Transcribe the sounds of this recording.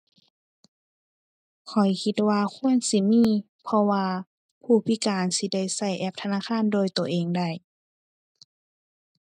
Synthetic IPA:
kʰɔ˨˩jkʰi˧t̪̚waː˧kʰu˧˥˨ənsi˧˥miː˧˥˨ | pʰɔ˧waː˧ | pʰuː˧˩pʰi˧˥˨kaː˨nsi˧˦da˧˩˨jsa˧˩jʔɛ˧˩p̚t̪ʰa˧naː˧˥˨xʰaː˧˥˨ndoː˧˨jt̪u˨˩əʔeː˨ŋda˧˩j

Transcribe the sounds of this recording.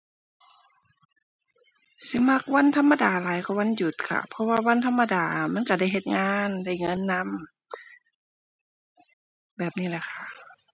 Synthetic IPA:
si˧˦ma˧˥k̚wa˧˥˨nt̪ʰa˧˥mːa˧daː˨˩laː˨˦jkʰa˧˩˦wa˧˥˨nju˧˩t̪̚kʰa̰˧˩pʰɔ˧waː˧wa˧˥nt̪ʰa˧mːa˧daː˨˩ma˧˥˨nka˧˩da˧˥˩jɦe˧˩t̪̚ŋaː˧˥nda˧˩jŋɤ˧˥˨nːa˧˥˨m | bɛː˨˩p̚niː˧˩la˧˩kʰa˧˩

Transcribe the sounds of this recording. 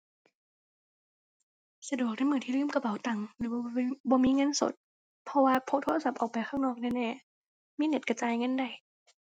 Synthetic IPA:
sa˧du˨˩ək̚na˧˩˨mɯː˧˩t̪iː˧lɯː˧˥˨mka˧pa˨˦wt̪a˨˩ŋlɯː˨˦bbɔː˧miː˧˥˨ŋɤ˧˥˨nso̰˨˦t̪̚ | pʰɔ˧waː˧pʰo˧˥kt̪ʰo˧˥˨sa˧˦p̚ʔɔː˨˩w̚pa˨˩jxʰaː˥˩wnɔː˧˩k̚nɛː˧˨nɛː˧˩ | miː˧˥˨ne˧˩t̪̚ka˧t͡ɕaː˧jŋɤ˧˥˨nda˨˩j

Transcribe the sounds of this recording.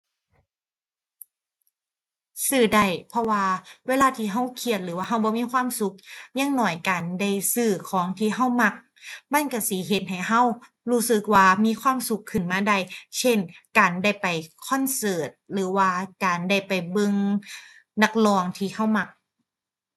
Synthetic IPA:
sɯː˧˩da˧˩jpʰɔ˧waː˧weː˧˥˨laː˧˥˨t̪ʰiː˧˩ɦa˧˥˩wkʰi˧˩ət̪̚lɯː˨˦waː˧ɦa˧˩wbɔː˧˦miː˧˥˨kʰwaː˧˥˨msu˧˦k̚ɲa˧˥˨ŋnɔː˧˩jkaː˨˩nda˧˥˩jsɯː˧˩kʰɔː˨˦ŋt̪ʰiː˧˩ɦa˧˥˩wma˧˩k̚ | ma˧˥˨nka˧˩si˧˨˦ɦe˧˦t̪̚ha˨˩jɦa˧˥˨w | huː˧˩sɯ˧˦k̚waː˧miː˧˥˨kʰwaː˧˥˨msu˨˦kʰːɯ˧˩˨nmaː˧˨da˧˩jsʰe˧˥˩nkaː˨nda˧˩jpa˨˩jkʰɔ˧˥˨nsɤː˨˩t̪̚lɯː˨˩˦waː˧kaː˨˩nda˧˩jpa˨˩jbɤ˧ŋ | na˧k̚lɔː˧ŋt̪ʰiː˧˩ha˧˥˩wma˧˩k̚

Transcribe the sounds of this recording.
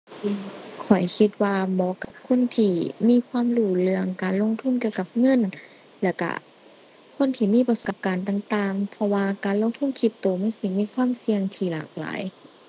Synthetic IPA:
ʔɯ˧˩kʰɔ˨˩jkʰi˧t̪̚waː˧mɔː˧˨ka˧˩p̚kʰo˧˥˨nt̪ʰiː˧˩miː˧˥˨kʰwaː˧˥˨mluː˧˩lɯ˧əŋkaː˨˩nlo˧˥˨ŋt̪ʰu˧˥˨nki˧əwka˧˩p̚ŋɤ˧˥˨n | lɛː˧˩wka̰˧˩ | kʰo˧˥˨nt̪ʰiː˧˩miː˧˥˨pa˧su˨˧p̚kaː˨˩nt̪a˧˩ŋt̪aː˧ŋpʰɔ˧waː˧kaː˨nlo˧˨ŋt̪ʰu˧˥˨nkʰi˧˩t̪ːoː˨˩ma˧˥˨si˧˩miː˧˥˨kʰwaː˧˥˨msi˧əŋt̪ʰiː˧˩la̰ː˨˩k̚la̰ː˨˦j

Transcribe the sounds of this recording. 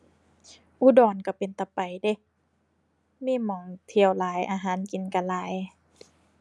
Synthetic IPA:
ʔu˧˦dɔː˨˩nka˧˩pe˨nt̪a˨˧˩pa˨˩jde˧˦ | miː˧˥˨mɔː˨˦ŋt̪ʰi˧˨əwlaː˨˦jʔaː˨˧ɦaː˨˦nki˨nka˧laː˨˦j

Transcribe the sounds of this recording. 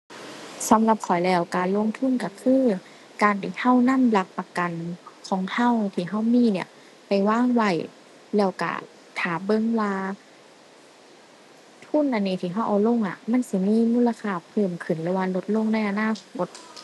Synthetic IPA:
sa˨˦mla˧p̚kʰɔ˨˩jlɛː˧˩wkaː˨nlo˧˥˨ŋt̪ʰu˧˥˨nka˧˩kʰɯː˧˥˨ | kaː˨nt̪ʰiː˧˩ha˧˥˩wna˧˥˨mla˧k̚pa˧ka˨nkʰɔː˨˩˦ŋha˧˩˨wt̪ʰiː˧˩ɦa˧˥˩wmiː˧˥˨ni˧˩ɐ | pa˨jwaː˧˥˨ŋwa˧˩j | lɛː˧˩wka̰˧˩ | t̪ʰaː˨˩bɤ˧˥˨ŋwaː˧ | t̪ʰu˧˥˨nʔa˧˨nːiː˧˩t̪ʰiː˧˩ɦa˧˥˩wʔa˨˩wlo˧˨ŋʔa̰˧˩ma˧˥˨nsi˧miː˧˥˨muː˧˥˨la˧kʰaː˧˩pʰɤː˧˩mkʰɯ˨˩nlɯː˧˦waː˧lo˧˦t̪̚lo˧˥˨ŋna˧˥˩jʔa˧naː˧˥˨kʰo˧t̪̚

